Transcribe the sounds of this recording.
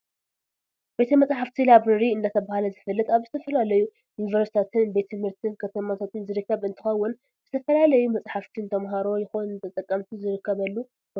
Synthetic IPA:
be̞t̪ʰɐmɐt͡sʼħaft̪ʰilabɾɨɾiɨnd̪at̪ʰɐβahalɐzɨfɨlːɨt̪aβzɨt̪ʰɐfɐlalɐju | junivɐɾsi̥t̪ʰat̪ʰɨnbe̞t̪ʰɨmhɨɾt̪ʰɨnkʰɐt̪ʰɐmat̪ʰat̪ʰɨnzɨɾɨkːɐβɨnt̪ʰɨxɐwːʊn | z̥ɨt̪ʰɐfɐlalɐjumɐt͡sʼħaft̪ʰint̪ʰɐmɦaɾo̞jɪxonnt̪ʰɐt̪ʼɐkʼːɐmt̪ʰizɨɾɨkʰːɐβɐlːu

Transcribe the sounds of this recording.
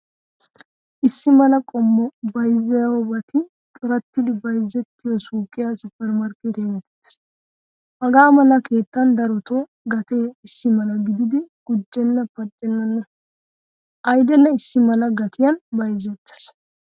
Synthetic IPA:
ʔɪsːɪmɐlɐkʼɔmːɔbɐjzːɐjɐwɔbɐt̪ɪ | t̪ʼʊɾɐt̪ːɪd̪ɪbɐjzːɛt̪ːɪjɔsuːkʼːɪjɐsʊpːɛɾmɐɾket̪ɛwɛt̪e̥ɪ̥s | hɐɡaːmɐlɐke̞ːt̪ːɐnd̪ɐɾɔt̪ɔ | ɡɐt̪eːɪsːɪmɐlɐɡɪd̪ɪd̪ɪɡ̥ʊd͡ʒːɛnːɐpɐt͡ʃʼːɛnːɐnːɐ | ʔɐjd̪ɛnːɐɪsːɪmɐlɐɡɐt̪ʰɪjɐnbɐjzːɛt̪ːɪ̥s

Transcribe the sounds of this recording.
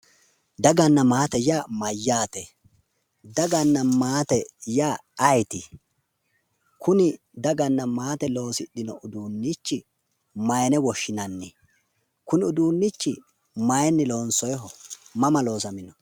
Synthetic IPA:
d̪ɐɡɐnːɐmaːt̪ɛjaːmɐjːaːt̪ɛ | d̪ɐɡɐnːɐmaːt̪ɛjaːɐjt̪ɪ | kʊnɪ | d̪ɐɡɐnːɐmaːt̪ɛlo̞ːsɪɗɪnɔʔʊd̪uːnːit͡ʃːɪ | mɐjnɛwɔʃːɪnɐnːɪ | kʊnɪʊd̪uːnːit͡ʃːɪ | mɐjɛnːɪlo̞ːnsɔjɦɔmɐmɐlo̞ːsɐmɪnɔ

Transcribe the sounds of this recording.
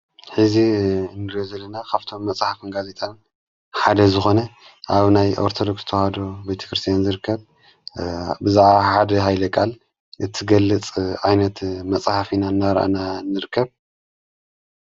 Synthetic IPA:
ħɨziɨnːɨɾozɐlːɐnakʰaβt̪ʰo̞mːɐt͡sʼħafɨnɡaze̞t̪ʰan | ħad̪ɐzɨxo̞nɐ | ʔaβnajo̰ɾt̪ʰod̪o̞ksz̥ɨt̪ʰɐwhad̪o̞bɐjt̪ʰɐ̥kɾɨst̪ʰjanzɨɾɨkʰːɐβ | bɨzaʕβaħad̪ɐɦajlɐkʼal | ʔɨt̪ʰiɡɐlːɨt͡sʼʕajnɐt̪mɐt͡sʼħafinanːaɾʔa̰nanːɨɾɨkʰːɐβ

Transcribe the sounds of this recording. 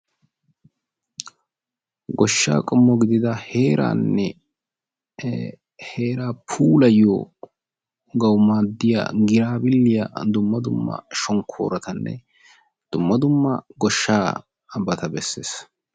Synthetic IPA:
ɡɔʃːa̰ːkʼɔmːɔɡɪd̪ɪd̪ɐheːɾʔa̰ːnːɛ | heːɾaːpʰuːlɐjo | ɡɐwmaːd̪ːɪja̰ɡɪɾaːbɪlːɪjɐd̪ʊmːɐd̪ʊmːɐ̰ʃɔŋkʰo̰ːɾɐt̪ɐnːɛ̰ | d̪̥ʊmːɐd̪ʊmːɐ̰ɡɔʃːaː | bɐt̪ɐbɛsːe̞̰ːs

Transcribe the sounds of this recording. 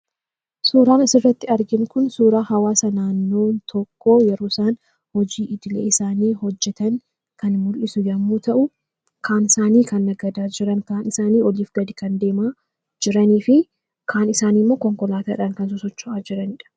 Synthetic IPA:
suːɾaːnɐsɪrːɐt̪ːɪɐɾɡɪnkʊnsuːɾaːhɐwaːsɐnaːnːo̞ːnt̪ʰɔkːo̞ːjɛɾoːɪsaːn | hɔd͡ʒiːʔɪd̪ɪlḛːɪsaːniːhɔd͡ʒːɛt̪ɐŋ | kɐnmʊlʔɪsʊjɐmːuːt̪ɐʔʊ | kʰaːnɪsaːniːkɐnːɐɡɐd̪aːd͡ʒɪɾɐŋkaːnɪsaːniːɔliːfɡɐd̪ɪkɐnd̪e̞ːmaː | d͡ʒɪɾɐniːfɪ | kʰaːnɪsaːnimːo̞ːkɔŋkɔlaːt̪aːᶑaːŋkɐns̬ʊsɔt͡ʃːʊʔaːd͡ʒɪɾɐnɪᶑɐ̥

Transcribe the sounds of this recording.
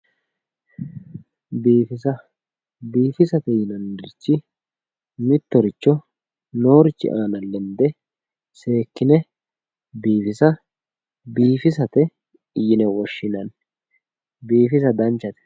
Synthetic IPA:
biːfɪsɐ | biːfɪsɐt̪ɛjɪnɐnd̪ɪɾt͡ʃːɪ | mɪt̪ːɔɾɪt͡ʃːɔ | no̞ːɾɪt͡ʃːɪ̰ʔaːnɐlːɛnd̪ɛ | se̞ːkːɪnɛ | biːfɪsɐ | biːfɪsɐt̪ɛ | jɪnɛwɔʃːɪnɐn | biːfɪs̬ɐd̪ɐnt͡ʃːɐt̪ɛ̥

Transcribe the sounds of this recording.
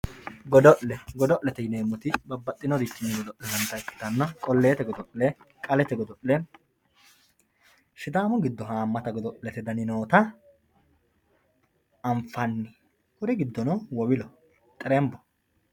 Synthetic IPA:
ɡɔd̪ɔʔlɛɡɔd̪ɔʔlɛt̪ɛjɪneːmːɔt̪ɪbɐbːɐt̪ʼːɪnɔd̪ɪt̪ːɪnːɪɡɔd̪ɔʔlɛdɐnt̪ɐɛkːɪ̥t̪ɐnːɐkʼɔlːeːt̪ɛɡɔd̪ɔʔlɛ | kʼɐlɛt̪ɛɡɔd̪ɔʔlɛ | ʃɪd̪aːmʊɡɪd̪ːɔɦaːmːɐt̪ɐɡɔd̪ɔʔlɛt̪ɛd̪ɐnɪnoːt̪ɐ | ɐɱfɐnːɪ | hʊɾɪɡɪd̪ːɔnɔwɔwɪlɔ | t̪ʼɛɾɛmbɔ

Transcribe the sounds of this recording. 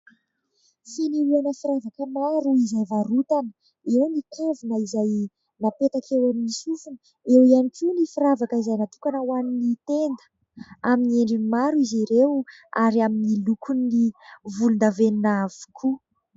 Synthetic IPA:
finiɾuanəfiɾavakəmaɾuizajvaɾut̪anə | ewnikʰavunəizaj | napet̪akʰewaminisufunə | ewianikinifiɾavakəizajnat̪u̥kanəwaninit̪end̪ə̥ | aminieɳɖ͡ʐiimaɾuiziɾew | a̰ɾiaminilukʰunːivulund̪aveninavu̥kʰu

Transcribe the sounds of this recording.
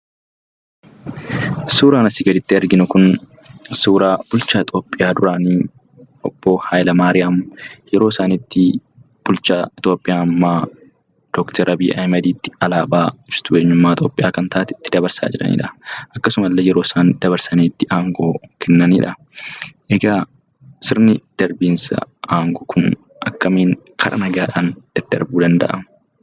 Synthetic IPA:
suːɾaːnɐsɪɡɐd̪ɪt̪ːɪɐɾɡɪnʊkʊn | suːɾaːb̥ʊlt͡ʃaːɪt̪ʼo̞ːpʼːɪjaːd̪ʊɾaːniː | ʔɔb̥ːo̞ːhaːjlɐmaːɾɪjaːmjɛɾoːsaːnit̪ːɪ | b̥ʊlt͡ʃaːɪt̪ʼo̞ːpʼːɪjaːmːaː | d̪̥ɔːkt̪ɛɾʔɐbiːʔɐ̰jmɐd̪iːt̪ːɪ̥ɐlaːbaːɪbst̪uːɛɲːʊmːaːɪt̪ʰʼo̞ːpʼːɪjaːkɐnt̪ʰaːʔːt̪ɪt̪ːɪd̪ɐbɐɾsa̰ːd͡ʒɪɾɐ̰nḭːᶑɐʔɐkːɐsʊmɐlːeːjɛɾoːsaːnd̪ɐbɐɾsɐniːt̪ːɪʔaːŋɡo̞ːkʰɛnːɐniːᶑɐ | ʔɛɡaː | sɪɾnɪd̪̥ɐɾbiːnsɐ̰aːŋɡoːkʰʊn | ʔɐkːɐmiːn | kʰɐɾʔɐ̰nɐɡaːᶑaːnd̪̥ɛd̪̥ɐ̰ɾbuːd̪ɐnd̪ɐ̰ʔɐ̰

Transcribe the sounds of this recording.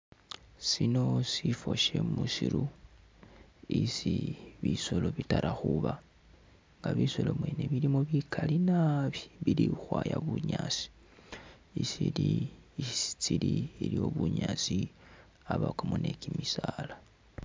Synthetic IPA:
sino̞sifo̞ʃe̞musiɾu | isiβiso̞lo̞βitaɾʔaxuβa | ŋɡaβiso̞lo̞mweneβilimoβikʰalinaβiβilixwaːjaβuɲasi̥ | isili | si̥t͡siliilio̞βuɲaːt͡si | aβakamone̞kimisala

